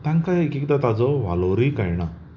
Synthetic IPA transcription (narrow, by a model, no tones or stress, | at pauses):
t̪aŋkaekik̚d̪at̪ad͡zɔʋa̰lɔwɾijkajɳa